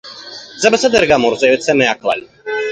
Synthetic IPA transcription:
d̪zɛbasad̪ɛɾɡamɔɾzɛvɛt̪sɛmɛakʰla̰li

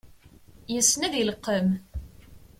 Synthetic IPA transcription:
jəsːnæðiləqːəm

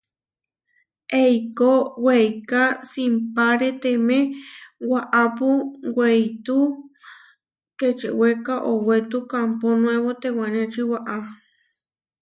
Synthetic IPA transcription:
ejkowejkasimpaɾet̪emẽwaʔapuwejt̪u | ket͡ʃewekaʔowet̪ukamponw̃eβot̪ewanẽt͡ʃiwaʔa

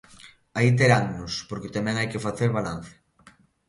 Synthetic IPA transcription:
ait̪̬eɾaŋnʊspoɾket̪amɛ̃ŋajkefaθeɾβalan̟θe̥

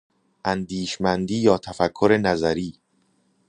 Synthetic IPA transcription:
ʔænd̪iːʃmænd̪iːjɒːt̪ʰæfækʰːoɾe̞næzæɾiː

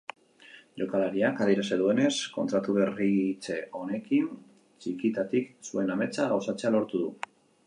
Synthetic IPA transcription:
ʎo̞kalaɾiakaðiɾaseðue̞ne̞sko̞nt̪ɾat̪uβerit͡se̞ʔo̞ne̞kin | t͡ʃikit̪at̪iksue̞name̞t͡saɣawsat͡se̞alo̞ɾt̪uðṵ

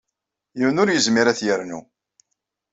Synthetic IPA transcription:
jiwnʊɾjəzmiɾæθjəɾnṵ

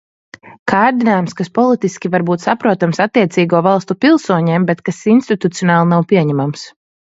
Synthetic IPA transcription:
kaːɾd̪inaːjumskaspɔlˠit̪iskʲivaɾbuːt̪sapɾuɔt̪amsat̪ːiɛt̪siːɡuɔvalˠst̪upilˠsuɔɲeːmbɛt̪kasinst̪it̪ut̪sijɔnaːlˠnawpiɛɲæmams

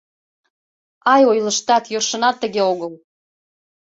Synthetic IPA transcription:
ɑjojləʃt̪ɑt̪jørʃə̆nɑt̪ːəɣeoɣəl

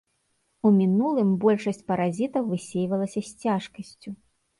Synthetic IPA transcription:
umʲinulˠɨmbɔlʲʂɐsʲt͡sʲpɐɾazʲit̪ɐwvɨsʲejvɐlˠɐsʲɐsʲt͡sʲaʂkɐsʲt͡sʲu

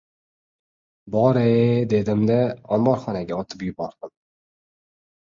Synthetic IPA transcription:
bɒɾed̪e̞d̪ɪmd̪aɒmbɒɾχɒnaɡʲaɒt̪ʰɪpjʊbɒɾd̪̥ɪm

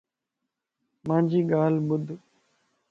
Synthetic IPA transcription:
mãːɲd͡ʒiːɠaːlɓʊd̪ʱ

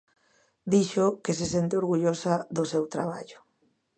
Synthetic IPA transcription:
d̪iʃʊkesesent̪ɪoɾɣuʎosɐðʊsewt̪ɾaβ̞a̰ʎʊ̥

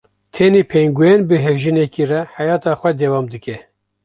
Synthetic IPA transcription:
t̪ʰeneːpʰeŋɡujɛnbɨɦɛvʒɨnekirɛħæjɑːt̪ɑːxʷɛd̪ɛwɑːmd̪ɨkɛ

